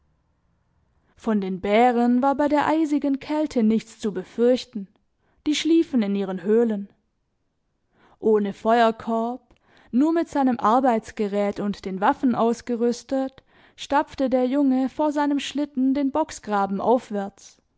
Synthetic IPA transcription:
fɔndeːnbɛːʁənvaːɐbaɪdeːɐʔaɪzɪɡənkʰɛltʰənɪçt͡st͡subəfʏɐçtn̩ | d̥iːʃliːfn̩ɪnʔiːʁ̞ənɦøːlən | ʔoːnəfɔʏɐkʰɔɐp | nuːɐmɪtz̥aɪnəmʔaɐbaɪt͡sɡ̥əʁɛːtʊntd̥eːnvafn̩ʔaʊsɡ̥əʁʏstət | ʃtap͡ftədeːɐjʊŋəfoːɐzaɪnəmʃlɪtn̩deːnbɔksɡ̥ʁaːbm̩ʔa̰ʊfv̥ɛɐt͡s

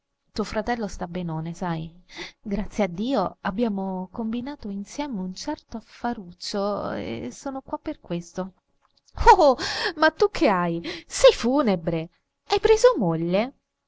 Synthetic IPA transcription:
t̪uːofɾat̪ɛlːost̪abːenoːnesajɡɾat̪sːjead̪ːiːoabːjaːmokombinaːt̪oinsjɛːmeunt͡ʃɛrt̪oafːaɾut͡ʃːoḛsːoːnokwapːerkwest̪o | omat̪ːukʰːeajsɛjfuːnebɾe | ajpɾeːzomoʎːe

